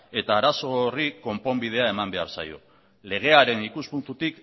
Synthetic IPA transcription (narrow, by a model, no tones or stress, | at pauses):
e̞t̪aːɾaso̞riko̞mpo̞mbið̞e̞ae̞mambe̞aɾsa̰jo̞̰ | le̞ɣ̞e̞aɾe̞nikuspunt̪ut̪ik